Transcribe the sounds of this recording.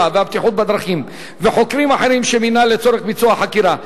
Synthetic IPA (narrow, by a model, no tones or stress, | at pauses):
aveabt̪iħut̪̚bad̪ɾaχim | veħo̞kɾimaħe̞ɾimʃeminalet͡so̞ɾeχbit͡suaħakiɾa